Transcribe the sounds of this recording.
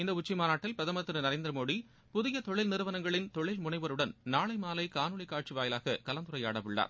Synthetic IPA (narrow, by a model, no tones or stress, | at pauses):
ɪnd̪ɐʊt͡ʃːimaːnaːʈːɪlpɾɐðɐmɐt̪ːɪnɯnɐɾeːnd̪ɪɾɐmoːɽi | pʊðɪjɐt̪ɔɭːɪlnɪɾɯʋɐnɐŋɡɐɭɪnt̪ɔɭɪlmʊɳɐɪʋɐɾɯɽɐnnaːɭɐɪmaːlɐɪkaːnɯɭɪkːaːʈ̚t͡ʃiʋaːjɪlaːɣɐkɐlɐnd̪ɯɾɐɪja̰ːɽɐʋɯɭːa̰ːɾ